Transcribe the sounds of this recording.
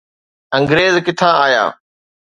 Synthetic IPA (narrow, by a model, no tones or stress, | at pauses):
ɐ̃ŋɡɾeːzkɪt̪ʰaːaːja̰ː